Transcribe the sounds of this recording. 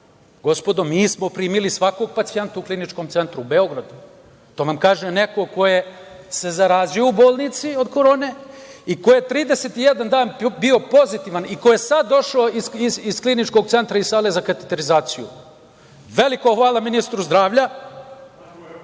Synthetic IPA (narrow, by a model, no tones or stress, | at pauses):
ɡo̞spo̞d̪o̞miːsmo̞pɾiːmilisʋako̞ɡ̚pat̪sije̞nt̪auklinit͡ʃko̞mt̪se̞nt̪ɾuube̞o̞ɡɾad̪u | t̪oːʋamkaːʒene̞ko̞ko̞jese̞zaɾaːzijoubo̞ːlˠnit̪sio̞d̪ko̞ɾo̞ːne̞ikojet̪ɾiːd̪eset̪ijed̪and̪aːnbio̞po̞zit̪iːʋanikojesad̪ːo̞ʃaoiziisklinit͡ʃko̞ɡ̚t̪se̞nt̪ɾaizsaːle̞zakat̪et̪e̞ɾizaːt̪sijṵ | ʋe̞likoxʋaːlˠaminist̪ɾuzd̪ɾaːʋʎa